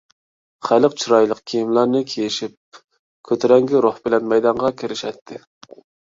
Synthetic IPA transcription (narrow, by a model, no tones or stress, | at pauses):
χælɨqt͡ʃʰiɾɑjlˠəqkʲʰijimlˠɑɾnɨkʲʰejiʃip̚ | kʲʰøt̪ʰɪɾɛŋɡʲiɾoχbɪlɛnmɛjd̪ɑɴʁɑkʲʰɪɾɪʃɛt̪ʰːɪ